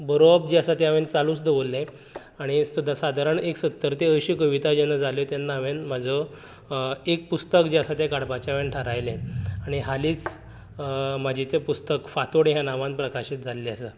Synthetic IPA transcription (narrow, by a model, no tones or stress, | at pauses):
bəɾob̚d͡ʑiasat̪jaʋent͡saluːt͡sd̪eʋolːe | aɽ̃isud̪ʱasad̪ʱaɾəɳeksət̪ːəɾt̪eəɕiːkəʋit̪ad͡ʑenad͡zalot̪janːaʋenm̤ad͡zʱə | ek̚pust̪əkd͡ʑiasat̪jakaɽpat͡ɕaʋenʈʰaɾajlẽaɽ̃iɦaliːt͡s | m̤ad͡ʑʱit̪epust̪əkfat̪oɽiɦjãnaʋãnpɾəkaɕiːt̪d͡zʱalːeəsə